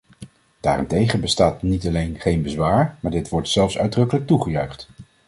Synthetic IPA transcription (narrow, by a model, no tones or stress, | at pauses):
d̥a̰ːrɪntejχənbəstaːtnitɑlejnχejnbəzʋaːɹmaːɹdɪtʋɔɹtsɛlˠfsœ̰ɥdrɵkələk̚tuχəjœɥχt